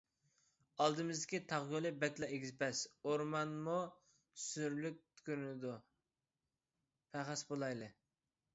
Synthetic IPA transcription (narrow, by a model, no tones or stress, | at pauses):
ɑlˠd̪ɨmɪzd̪ɪkʲit̪ʰɑʁɡolˠɨbɛt̪lˠɑeɡʲizɪpɛsoɾmɑnmu | syɾlyk̚ʲt̪ʰy̥kʲyɾnɪd̪u | pʰæχæsbolˠɑjlˠɨ